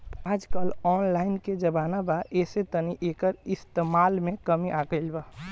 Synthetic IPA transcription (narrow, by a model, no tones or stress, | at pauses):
aːd͡ʒkəlɔːnlaːɪnked͡ʒəbaːnabaʔeːset̪əniʔeːkəɾɪst̪emaːlmẽkəmiʔaɡəɪlba